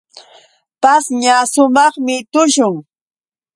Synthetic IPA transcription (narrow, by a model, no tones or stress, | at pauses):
pasɲasʊmɑχmɪt̪ʊʃʊŋ